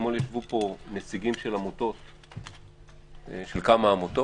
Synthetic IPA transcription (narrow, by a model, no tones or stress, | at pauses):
moljaʃvupo̞net͡siɡimʃelamot̪o̞t̪ | ʃelkamaːmot̪o